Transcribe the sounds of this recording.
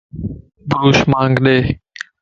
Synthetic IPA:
bɾuːʃmãːŋɡɗ̪eː

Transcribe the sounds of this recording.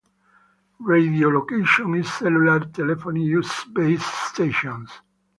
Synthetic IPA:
ɹed̪iolokeʃɔ̃nizsɛlulaɾt̪ɛlɛfonijusbesst̪eʃɔ̃ns

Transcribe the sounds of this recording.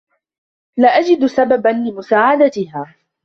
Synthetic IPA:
laʔad͡ʒɪd̪sababanlɪmʊsaːʕad̪at̪ɪhaː

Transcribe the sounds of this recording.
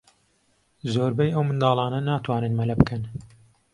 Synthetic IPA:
zoːɾbɐjɐwmɨnd̪ɑːlˠɑːnɐnaːt̪ʰwaːnɨnmɐlɐbɨkʰɨn

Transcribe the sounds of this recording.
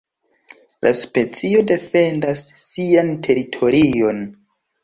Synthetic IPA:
lʔa̰spet͡sio̞de̞fe̞ndasːiantʰe̞ɾitʰo̞ɾio̞n

